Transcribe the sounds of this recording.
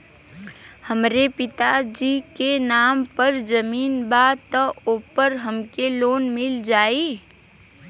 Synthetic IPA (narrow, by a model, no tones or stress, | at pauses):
həmɾepɪt̪ad͡ʒiːkenaːmpəɾd͡ʒəmiːnbaːt̪əoːpəɾɦəmkeloːnmɪld͡ʒaːiː